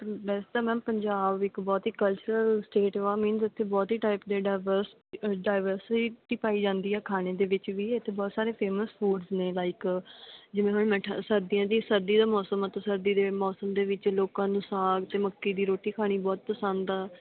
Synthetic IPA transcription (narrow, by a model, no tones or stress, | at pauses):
bɛːset̪aːmɛ̃ːmpəɲd͡ʒaːbɪkbɔːt̪ɦiːkəlt͡ʃəɾəlsʈeːʈːʋaːmĩnzɪt̪ʰːeːbɔːt̪ɦiːʈaːɪpd̪eːɖɪʋəɾs | ɖaːɪʋəɾsʈiːpaːiːd͡ʒãːnd̪iːɛːkʰaːneːd̪eːʋɪt͡ʃʋiːɪt̪ʰːeːbɔːt̪saːɾeːpʰeːməsfʰuːɖzneːlaːɪk | d͡ʒɪʋẽːɦʊɳmɛ̃ːʈʰasəɾd̪ijãːd̪iːsəɾd̪iːd̪aːmɔːsəmət̪ẽsəɾd̪iːd̪eːmɔːsəmd̪eːʋɪt͡ʃloːkãːnũːsaːɡt̪eːməkːiːd̪iːɾoːʈiːkʰaːɽ̃iːbɔːt̪̚p̪əsaːnd̪aː